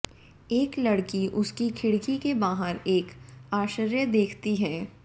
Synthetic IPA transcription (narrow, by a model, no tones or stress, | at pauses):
eːklɐɽkiʔʊskikʰɪɽkikebaːɦəɾeːkaːʃəɾjəd̪eːkʰt̪iɦɛː